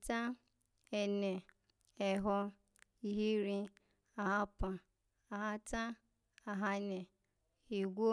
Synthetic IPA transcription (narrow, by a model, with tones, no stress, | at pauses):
ta˦ | ɛ˨nɛ˨ | ɛ˨ɦɔ˧ | i˨ɦi˦ɾĩ˧ | a˨ɦa˧pã˨ | a˨ɦa˧ta˦ | a˨ɦa˧nɛ˨ | e˨ɡʷo˦